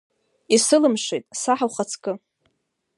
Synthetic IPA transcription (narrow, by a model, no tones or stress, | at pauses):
isɨlɨmʂejtʼsaħawχat͡sʰkʼɨ